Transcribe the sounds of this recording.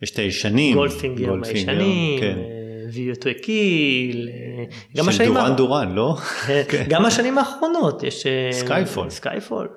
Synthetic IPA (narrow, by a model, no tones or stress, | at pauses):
jeʃtejeʃanimɡolfiŋɡelmjʃɡanien | viot̪wekil | ɡammaʃanimaanduʁanlokenkɡamaʃanimaːχʁo̞no̞tjḛʃeskajfo̰lska̰jfo̰l